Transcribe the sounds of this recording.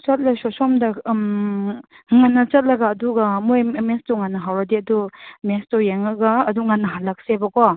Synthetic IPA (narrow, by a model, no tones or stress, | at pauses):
t͡ʃɐt̚lasɔsɔmdɐm | ŋanːɐt͡ʃɐt̚lɐɡaːduɡamojmestɔŋanːɐɦawɾadiɐdumestɔjeŋaɡaːduŋanːɐɦalak̚sebakɔ